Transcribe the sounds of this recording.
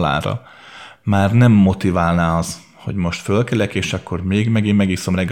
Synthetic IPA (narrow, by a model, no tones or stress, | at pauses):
la̰ːɾɒ̰ | maːrnɛmːo̞t̪ivaːlnaːɒz | ho̞ɟmo̞ʃt̪følkɛlɛkeːʃɒkʰːo̞rmeːɡmɛɡimːɛɡiso̞mrɛɡ